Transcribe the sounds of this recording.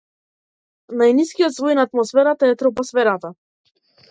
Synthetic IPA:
najniskijɔt̪svɔjnaːt̪mɔsfɛɾat̪aɛt̪ɾɔpɔsfɛɾat̪a

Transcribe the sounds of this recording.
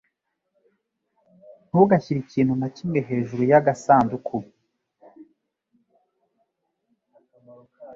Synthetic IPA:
n̥huɡaçiɾiciːn̥hunacimŋe̞ɦe̞ːʒuɾujaɡasaːndukʰu

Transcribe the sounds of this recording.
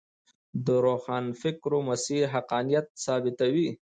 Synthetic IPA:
d̪əɾoxɑːnfɪkɾomasiɾɦaqɑːnijat̪̚sɑːbɪt̪awi

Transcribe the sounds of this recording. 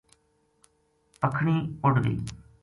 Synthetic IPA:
pəkʰɳiːʊɖd̪ḭː

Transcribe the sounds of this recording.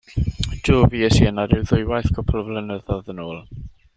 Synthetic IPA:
d̥oːviːəsiənaɾɪwðʊjwajθɡ̥ʰɔpʰlˠəvlˠənəðɔðənoːlˠ

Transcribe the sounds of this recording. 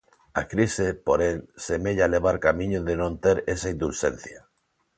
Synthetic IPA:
a̰kɾisepoɾeŋsemeʎaleβ̞aɾkamĩɲʊðenõnt̪eɾesaind̪ulʃen̟θja

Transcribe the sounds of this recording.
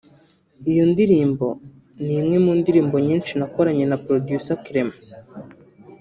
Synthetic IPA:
ijondiɾiːmbo̞̰ | nimŋe̞mundiɾiːmbo̞ɲiːnʃinako̞ɾaɲe̞napɾodjusakiɾem

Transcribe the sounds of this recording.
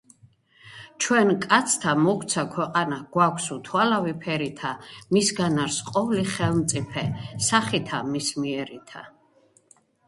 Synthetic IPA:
t͡ʃʰwɛnkʼat̪sʰt̪ʰamɔkʰt̪sʰakʰwɛqʼanaɡ̥wakʷʰsut̪ʰwalavipʰɛɾit̪ʰamisɡanaɾsqʼɔvliχɛlmt̪sʼipʰɛsaχit̪ʰamismiɛɾit̪ʰa

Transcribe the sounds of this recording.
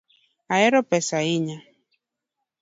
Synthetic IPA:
aɛɾɔpɛsaiɲa

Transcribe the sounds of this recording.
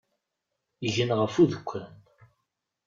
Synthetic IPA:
əʝənʁəfuðəkʷːæn

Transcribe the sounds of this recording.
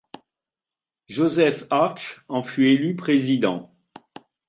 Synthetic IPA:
ʒozɛfaʁʃɑ̃fyelypχezid̪ɑ̰̃

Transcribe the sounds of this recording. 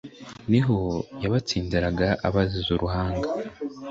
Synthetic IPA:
niɦojaβat͡siːndiɾaɡaʔaβazizuɾʔuhaːŋɡa

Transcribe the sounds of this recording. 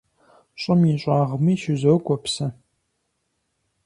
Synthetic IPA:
ɕʼʊmiɕʷʼaːʁmiːʃɪzɐɡʷʼɔpsɐ

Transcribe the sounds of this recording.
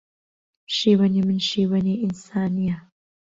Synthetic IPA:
ʃiːwɐniːmɨnʃiːwɐneːʔinsaːnija

